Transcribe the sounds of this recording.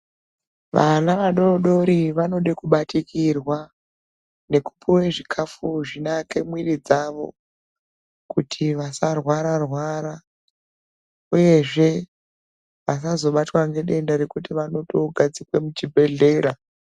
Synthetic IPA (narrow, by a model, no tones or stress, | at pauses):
ʋa̰naʋaɗo̞ɗo̞ɾiʋano̞ɗekuɓatʰikirwa | ne̞kupʰuweʐikʰafuʐinakemwirid͡zaʋo̞̰ | kutʰiʋasarwaɾarwaːɾa | uje̞ʐe̞ | ʋas̬azo̞ɓatwaŋɡe̞ɗe̞ndaɾekutiʋano̞toɡʱad͡zikwemut͡ʃibʱe̞ɮe̞ːɾa